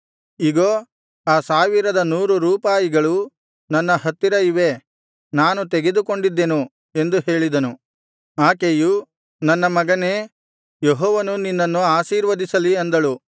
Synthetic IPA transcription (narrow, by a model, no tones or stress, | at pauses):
iɡoː | aːsaːʋiɾɐd̪ɐnuːɾuɾuːpaːjiɡɐɭu | nɐnːɐhɐt̪ːiɾɐiʋe̞ | naːnut̪eɡe̞d̪uko̞ɳɖid̪ːenu | e̞nd̪uɦe̞ːɭid̪ɐnu | aːkeju | nɐnːɐmɐɡɐneː | jeɦɔːʋɐnuninːɐnːuaːʃiːɾʋɐd̪isɐliɐnd̪ɐɭu